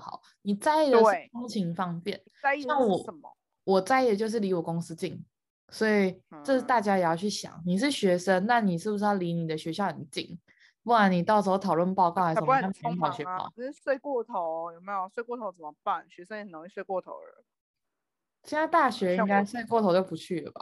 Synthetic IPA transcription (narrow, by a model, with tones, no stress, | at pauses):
xɑ̰˨˦ʊ | ni˨˩t͡sa˥˧ɪi˥˩d̪ə˩ʂo˥ŋt͡ɕʰi˧˥ŋfɑ˥˧ŋpjɛ˥˩n | a˥˧˥a˥˩ŋwɔ˨˥˩ə˨˩m̰˧ | wɔ˨˩t͡sa˥˧ɪi˥˩d̪ə˨˩t͡ɕjo˥˧ʊʂ̬ɻ̩˥˩li˧˥wɔ˨˩kʊ˥ŋs̩˥t͡ɕi˥˨˩ŋ | swɔ˧˥i˨˩ʈ͡ʂɤ˥˧ʂ̩˥˩t̪a˥˩t͡ɕja˥jjɑ˥˧t͡ɕʰy˥˩ɕjɑ̰˨˩˦ŋni˨˩ʂ̬ɻ̩˥˩ɕɥɛ˧˥ʂə˦˥nna˥˩ni˨˩ʂɻ̩˥˩bu˩ʂ̬̩˥ɑ˥˩li˧˥ni˨˩d̪ə˩˦ɕɥɛ˧˥ɕjɑ˥˩ʊhə˨˩nt͡ɕi˥˨˩ŋ | pu˥˩wa˧˦˥ni˨˩t̪ɑ˥˩ʊʂ̬̩˧˥xo˥˩t̪ʰɑ˨˩lwə˥˧npɑ˥˧ʊkɑ˥˩a˧˥˧ɑ˨˩ʊɕɥɛ˧˦ɑ̰˥˩˦swe˥˧ɪkwɔ˥˩t̪ʰo˧˦ʊjo˨˩me˧˦˥jo˨˩swe˥˧ɪkwɔ˥˧˩t̪ʰo˧˥ʊt͡sə˨˩mə˨˦pa˥˩nɕɥɛ˧˦˥sə˥i˨˩˨no˧˥i˥˧swe˥˧ɪkwɔ˥˩t̪ʰo̰˧˥ʊə̰˧˦ | t͡ɕʰi˧˥t̪ʰa˥t̪a˥˩ɕɥɛ˧˦˥i˥ŋka˥ɪswe˥˧ɪkwɔ˥˩t̪ʰo˧˥ʊt͡ɕjo˥˩ʊpu˧˦t͡ɕʰy˥˩lə˨˩ba̰˩